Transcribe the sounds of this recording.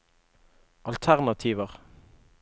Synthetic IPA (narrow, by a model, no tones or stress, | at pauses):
ɑlt̪ʰæʁnɑt̪ʰiːʋəʁ